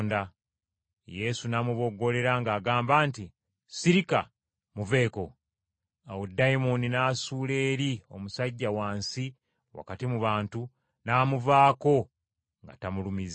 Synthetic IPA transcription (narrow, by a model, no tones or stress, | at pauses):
nda | je̞sunaːmuβo̞ɡo̞le̞ɾaŋɡaːɡaːmbaːnti | siɾika | muve̞ːko̞ | awodaimoninaːsuːle̞ːɾio̞musaɟːawaːnsi | wa̰katimuβaːntu | naːmuvaːko̞ | ŋɡa̰tamulumiz